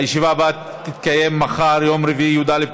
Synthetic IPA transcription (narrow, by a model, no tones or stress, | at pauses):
jeʃivaba | t̪it̪kaje̞mːaχaɾjo̞mɾeviʔijud̪ale